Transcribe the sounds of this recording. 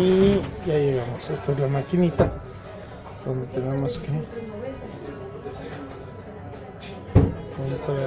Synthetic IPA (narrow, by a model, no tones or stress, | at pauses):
ijajeɣamosest̪aezlamakinit̪a | d̪ond̪et̪enemoske | kompɾa